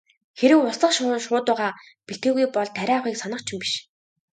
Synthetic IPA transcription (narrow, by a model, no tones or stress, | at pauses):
xeɾɘ̆kʊsɮə̆χʃʊʃʊːt̪ʊːʁaː | piɬt̪̚ɡeːɣujpɔɮt̪ʰːæɾʲæːχiːksɔnə̆qt͡ɕʰĭmpi̥ʃ